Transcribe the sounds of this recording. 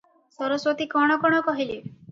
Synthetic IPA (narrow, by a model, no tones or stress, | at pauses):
sɔɾɔswot̪ikɔɽ̃ɔkɔɽ̃ɔkɔɦili